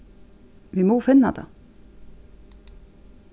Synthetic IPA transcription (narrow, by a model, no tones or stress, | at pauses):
ʋimoːfɪnːad̪a̰